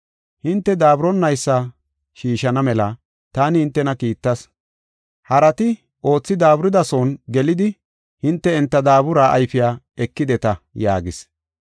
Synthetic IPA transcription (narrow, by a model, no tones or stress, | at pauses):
hɪnt̪ːɛd̪aːbɾɔnːɐjsːɐ | ʃiːʃɐnɐmɛlɐ | t̪aːnɪhɪnt̪ːɛnɐkiːt̪ːɐs | hɐɾɐt̪ɪ | ʔo̞ːt͡sːɪd̪aːbɾɪd̪ɐsonɡɛlɪd̪ɪ | hɪnt̪ːɛɛnt̪ːɐd̪aːbʊɾaːʔɐjfɪjaː | ɛkːɪd̪ɛt̪ɐja̰ːɡɪs